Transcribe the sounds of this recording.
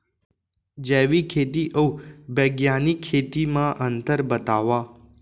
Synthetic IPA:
d͡ʒɛʋikʰet̪iʔəwbəɡjanikʰːet̪imãʔənt̪əɾbət̪aʋa

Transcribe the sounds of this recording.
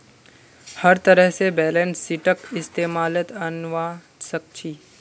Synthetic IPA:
hɐɾt̪əɾəɦsebɛːlə̃nsːɪʈəkɪst̪eːmaːlət̪ɐnʋaː | sək̚t͡ʃʰiː

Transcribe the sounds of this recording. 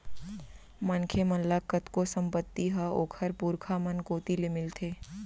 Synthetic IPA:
mənkʰemənlakət̪kosə̃mpət̪ːiɦɐoːkʰəɾpuːɾkʰamənkoːt̪ilemɪlt̪ʰeː

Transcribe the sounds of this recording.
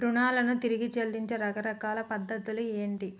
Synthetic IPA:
pɾuɳaːlɐnut̪iɾiɡit͡ʃeld̪iɲt͡ʃeɾɐɡɐɾɐkaːlɐpɐd̪ːɐt̪ulueːɳʈi

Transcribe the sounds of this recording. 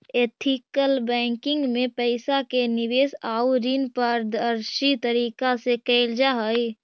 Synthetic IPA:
eːt̪ʰikəlbɛ̃ːŋkɪ̃ŋɡmẽpəɪsakenɪʋeːsaːuɾinpəɾd̪əɾʃit̪əɾiːkasekɛɪld͡ʒaɦəi

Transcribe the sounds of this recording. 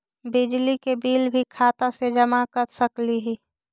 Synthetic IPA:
bɪd͡ʒlikebiːlbʱikʰaːt̪ased͡ʒəmakəɾsəkliɦi

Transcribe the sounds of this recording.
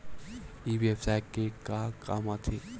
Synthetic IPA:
iʋepsajkːekaka̰mat̪ʰe

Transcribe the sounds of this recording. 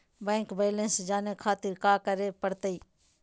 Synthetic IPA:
bɛ̃ːŋkbeːlẽnsd͡ʒaːnekʰaːt̪ɪɾkaːkəɾepəɽt̪əiː

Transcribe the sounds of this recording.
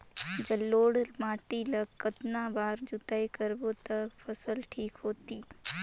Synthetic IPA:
d͡ʒəlːoːɽmaːʈiləkkːət̪nabaːɾd͡ʒʊt̪aikəɾbot̪əpʰəsəlʈʰiːkɦoːt̪iː

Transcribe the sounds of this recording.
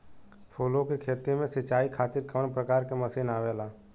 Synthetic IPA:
pʰoːlokekʰeːt̪imẽsɪt͡ʃaːikʰaːt̪ɪɾkəəɳpɾəkaːɾkeməsiːnaːʋeːlaː

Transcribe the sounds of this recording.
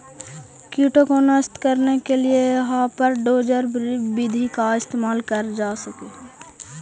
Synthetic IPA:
kjuːʈokonəst̪kəɾnekelieɦãːpəɾɖoːd͡ʒəɾbid̪ʱikaɪst̪eːmaːlkəɾd͡ʒaːsɐkeː

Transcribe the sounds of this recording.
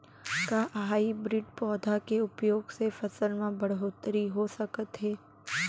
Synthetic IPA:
kaɦaːibɾɪɖpɔːd̪ʱakeʊpjoːɡsefɐsəlmẽbɐɽɦoːt̪ɾiɦosɐkət̪ɦɛː

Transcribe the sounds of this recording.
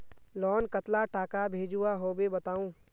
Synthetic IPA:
lɔːnkət̪laʈaːkabʱeːd͡ʒuaɦoːbebɐt̪aːũː

